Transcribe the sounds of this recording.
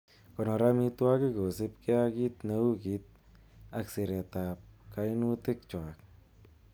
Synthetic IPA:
ko˨no˨ɾa˦mi˧t̪wa˦ki˦ɡo˨sɪ˦pke˦a˧ki˦t̪na˧˦u˦ki˧t̪̚ | a˧kse˨ɾe˨t̪a˨p̚ka˧˦i˦nu˦t̪e˦k̚t͡ʃwa˨k̚

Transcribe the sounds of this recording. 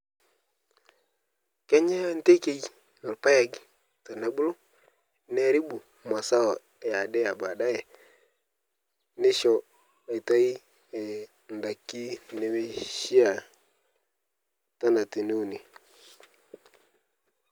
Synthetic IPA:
ke˦ɲe˦n˦te˦ke˨j | no˨ɾpa˦ja˨ɡi˨ | ta˨ne˨bu˦lu˦ | ne˦ɾi˦bu˨ | ma˨sa˦wo˨ | ɛ˨ja˨dɛ˦ja˨ba˨da˦jɛ˨ | nɪ˦ʃɔ˨ | e˨ta˦i˦ | ɛ˨ | n˨da˨kːi˦ne˨we˦ʃi˦a˨ | ta˦na˨ti˨nu˦u˨ni˨

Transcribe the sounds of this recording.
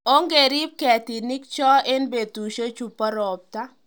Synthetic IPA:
o˦ŋɡe˨ɾi˦p̚kɛ˨tɪ˨nɪ˦k̚t͡ʃɔ˦e˦nbe˨tu˨ʃo˦t͡ʃu˨pɔ˦ɾɔ˨p̚ta˦

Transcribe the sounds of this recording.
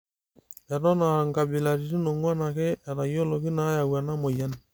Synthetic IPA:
ɛ˨ɾɔ˦na˨ŋɡa˨bi˨la˨ɾi˨ɾi˦no˨ŋwa˦na˨ke˦a˨ɾa˨jo˦lɔ˨ki˦na˦ja˨wa˨na˦mo˨ja˦ni˨

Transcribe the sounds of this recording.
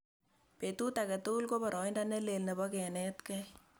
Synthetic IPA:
petu˦takɛ˨tu˦lko˦pɔ˨ɾʔɔ˨ɪnda˦nɛ˦le˨lne˨bɔ˦kɛ˨nɛtkɛ

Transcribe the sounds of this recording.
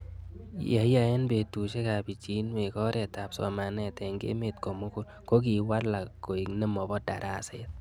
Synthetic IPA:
ja˨ja˨e˦nbe˨tu˨ʃe˦ka˨bi˨t͡ʃi˨˦nwe˨kɔ˦ɾʔɛ˨ta˨psɔ̰˨ma˨nɛ˨tɛ˨ŋɡḛ˦me˨tko˨mʊ˦kʊ˦l | ko˦k̬i˨wa˦rla˨ko˨i˨kne˦mɔ˨bɔ˦da̰˨ɾʔa˦se˦t̚

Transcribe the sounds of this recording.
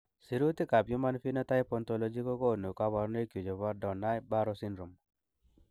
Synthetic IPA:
si˦ɾu˦t̪i˦ka˨pjo˦ma˦nfi˦nɔ˦t̪a˦jpɔ˨nt̪ɔ˨lɔ˦d͡ʒi˦kɔ˦kɔ˦˨no˨ka˦βa˨ɾne˦kjo˨d͡ʒo˨βa˦ɾdɔ˨na˦jba˦ɾɔ˦si˦nɾu˨m

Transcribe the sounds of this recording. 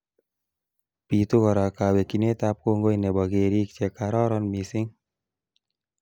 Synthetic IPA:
pi˨t̪u˦kɔ˨ɾa˨kawe˨ki˨ne˦t̪a˧p̚ko˧ŋɡo˦jnɛ˨bɔɡeɾi˦kt͡ʃɛkaɾɔ˦ɾɔnmisɪ˦ŋ

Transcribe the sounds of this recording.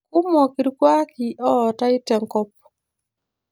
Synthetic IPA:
ku˦mɔ˨ki˨ɾkwa˦ki˨ʔɔː˦˨ta˦ɪ˦tɛ˨ŋkɔ˦p̚

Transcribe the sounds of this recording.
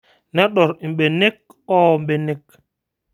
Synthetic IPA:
nɛ˦ɗɔ˨ɾm̩˨ɓe˨ne˦k̚ɔ˦˨m˨ɓe˨ne˦k

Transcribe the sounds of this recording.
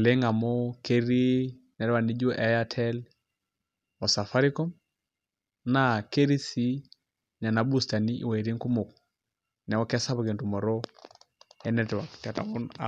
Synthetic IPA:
le˦ŋa˨mɔ˦ke˦ɾi˦ | nɛ˨ɾwa˨ni˦d͡ʒo˦ʔɛ˨˦ja˦tʰɛ˦l | ɔ˨sa˨fa˦ɾi˦kɔ˦m | na˨ke˦ɾi˦si˦ | ɲa˨na˨bu˦sta˨ni˦ʔḭ˨wa˨i˨ɾi˦ŋku˦mo˨k | nɛ˨wɔ˦kɛ˦sa˦bɔ˨ke˨ntu˨mɔ˨ɾɔ˦ | ɛ˦nɛtwa˨ktɛ˨ta̰˨ɔ˦na̰

